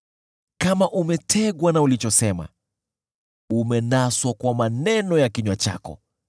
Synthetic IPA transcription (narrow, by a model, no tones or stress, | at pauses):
kamaʔumɛtʰɛɠwanaulit͡ʃɔsɛma̰ | umɛnaswakwamanɛnɔjakiɲwat͡ʃa̰kɔ̰